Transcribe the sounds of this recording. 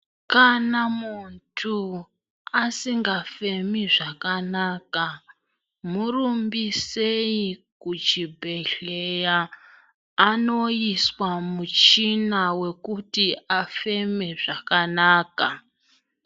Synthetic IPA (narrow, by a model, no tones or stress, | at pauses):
kanamuntʰu | asiŋɡafe̞miʐakanaːka | murumbiseikut͡ʃibʱe̞ɬejaː | no̞iswamut͡ʃinawe̞kutiafe̞me̞ʐakanaːka